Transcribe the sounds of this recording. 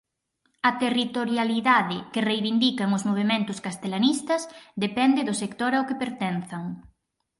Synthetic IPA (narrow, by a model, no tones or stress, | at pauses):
ɐt̪erit̪oɾjaliðaðɪkɪrejβind̪ikɐŋʊzmoβ̞emẽnt̪ʊskast̪elanist̪ɐzd̪epɛnd̪ɪðʊsekt̪oɾaʊkɪpeɾt̪ɛnθɐŋ